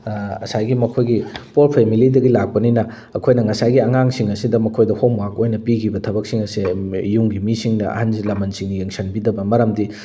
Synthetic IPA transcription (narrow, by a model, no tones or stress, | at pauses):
ɐ̰sajɡimɐkʰojɡipolpʰemilidɐɡilak̚pɐninɐː | kʰojnɐŋɐsajɡiɐŋaŋsiŋɐsidɐmɐkʰojdɐhomwakojnɐpikʰibɐtʰɐbɐk̚siŋɐsijuŋɡimisiŋnɐɐ̰hansilɐmɐnsiŋnijeŋsɐnbidɐbɐmɐɾɐmdi